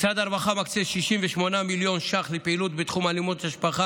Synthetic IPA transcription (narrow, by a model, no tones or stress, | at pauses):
t͡sad̪aɾvaχamakt͡seʃiʃimveʃmo̞namiljo̞nʃaχlepeilut̪̚bet̪χumalimot̪aʃpaχa